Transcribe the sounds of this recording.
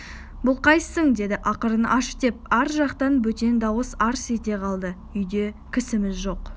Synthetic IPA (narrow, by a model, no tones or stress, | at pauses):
bʊlˠqʰɑjsəɴd̪e̞d̪ɪʔɑqəɾənɑʃt̪e̞p̚æɾʒɑqt̪ɑnbɵt̪e̞nd̪ɑwəsɑɾset̪e̞qʰɑlˠd̪ə | ʏjd̪e̞kʲʰɪsɪmɪzʒo̞q